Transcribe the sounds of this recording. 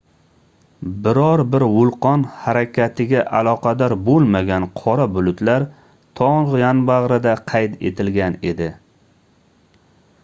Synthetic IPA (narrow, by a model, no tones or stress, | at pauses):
bɪɾɒɾbɪɾwʊlˠqɒnhaɾakʲʰat̪ʰɪɡʲaʔalˠɒqʰɑd̪ɒɾbolˠmaɡʲanqʰɒɾabʊlʊt̪laɾ | t̪ʰɒʁjanbaʁɾɪd̪aqʰɑjt̪ʰe̞̰t̪ʰɪlɡʲane̞d̪ɪ